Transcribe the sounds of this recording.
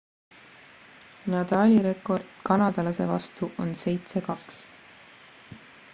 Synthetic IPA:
nɑt̪ɑːlʲiɾe̞kːˑo̞rd̪̥kɑnɑd̪̥ɑlɑse̞̰vɑ̰st̪uʔo̞nse̞jt̪se̞kɑks

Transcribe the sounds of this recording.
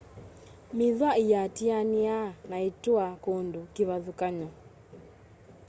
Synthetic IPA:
miðwaijatianianaitwakondokiβaðukaɲɔ

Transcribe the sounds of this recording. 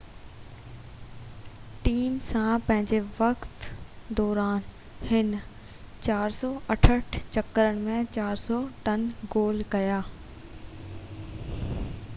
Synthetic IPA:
ʈiːmsãpɐ̃ɦɪ̃ɲd͡ʑeʋɐkt̪d̪ɔːɾaːn | hɪn | t͡ɕaːɾsɔːʔɐʈʰəʈʰt͡ɕɐkəɾəɽ̃̆mẽt͡ɕaːɾsɔʈɐnɡoːlkɐjaː

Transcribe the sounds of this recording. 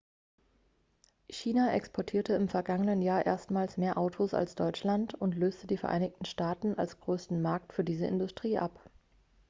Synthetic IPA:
çiːnaʔɛ̰kspʰɔɐtʰiːɐtəɪmfɛɐɡaŋənənjaːɐʔḛːɐstmaːlsmeːɐʔaʊtʰosa̰lsd̥ɔʏt͡ʃlantʊntløːstədiːfɛɐʔa̰ɪnɪçtn̩ʃtaːtn̩ʔa̰lsɡ̥ʁøːstn̩maɐktfyːɐdiːzəʔɪ̰ndʊstʁ̥iːʔap

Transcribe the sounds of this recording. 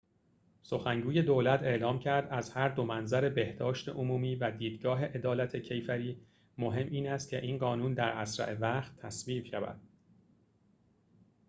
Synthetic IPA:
so̞xæŋɡuːje̞d̪oːlæt̪ʰe̞ʔlɒːmcʰæɾd̪æzhæɾd̪o̞mænzæɾe̞be̞hd̪ɒːʃt̪e̞̰ʔomuːmiːvæd̪iːd̪ɡɒːɦe̞ʔe̞d̪ɒːlæt̪ʰecʰe̞jfæɾiː | mo̞ɦe̞mʔiːnæst̪̚cʰe̞̰ʔiːnɢɒːnuːnd̪æɾʔæsɾæ̰ʔevæxt̪ʰːæsviːbʃævæ̰d̪̥

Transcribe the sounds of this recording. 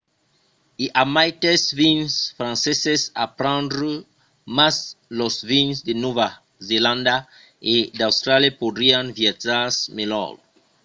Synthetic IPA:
iʔamajt̪esvinsfɾãnsesesapɾãnd̪ɾu | maslosvĩnsd̪ɪnova | zelãnd̪a | ed̪awst̪ɾaljapod̪ɾianviataɾsmelɔ̰ɾ

